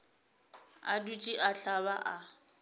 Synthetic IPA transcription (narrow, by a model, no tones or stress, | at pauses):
adut͡ʃʼiʔaɬaβaʔa